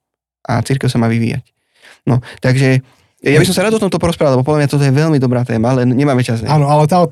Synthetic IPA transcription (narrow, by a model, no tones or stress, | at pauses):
ʔa̰t͡siɾkɛʊsamaːʋiʋḭːja̰c | nɔt̪aɡʒɛ | jabisɔmsaɾad̪ɔt̪ɔmt̪ɔpɔɾɔspɾaːʋalɛbɔpɔd̪lamɲjat̪ɔt̪̬ɔjɛʋɛlmid̪ɔbɾaːt̪ɛːmalɛnɲɛmaːmɛt͡ʃazaːnɔalɛt̪aː